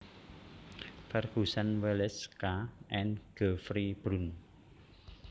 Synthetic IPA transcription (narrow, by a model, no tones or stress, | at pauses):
fɛrɡ̥usanwelɛskaʔɛnɡ̥ə̤fɾib̥ɾun